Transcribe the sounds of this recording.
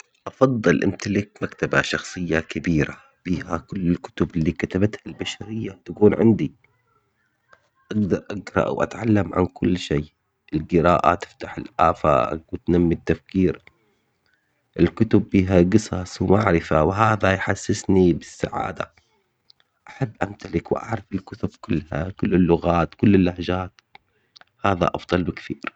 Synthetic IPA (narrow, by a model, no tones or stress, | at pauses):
ʔɑfɑðˤːɨlʔɪ̰mt̪alɪk̚makt̪abaʃɑxsˤɨjːakɪbiːɾa | b̥iːhakʊlːɪlkʊ̥t̪ʊbɪlːiːkat̪abat̪halbaʃaɾɪjːat̪akuːnʕɪ̰nd̪i | ʔaɡd̪ɑɾˤʔaɡɾˤɑ̰ʔwʔa̰t̪ʕalːamʕa̰nkʊlːʃeː | ʔɪlɡɪɾaːʔa̰t̪ɪ̥ft̪aħɪlʔa̰ːfa̰ːkwt̪namːit̪ːafkiːɾ | ʔɪlkʊt̪ʊbːiːɦaɡɨsˤɑswmaʕɾɪfawɦaːðajħasːɪsnibɪsːa̰ʕa̰ːd̪a̰ | ʔaħabːʔamt̪alɪkwʔa̰ʕɾˤɪfɪlkʊt̪ʊbkʊlːha̰kʊlːɪlːʊɣaːt̪kʊlːɪlːahd͡ʒaːt̪ | haːða̰ʔɑfd̪ˤɑlbɪkθiːɾ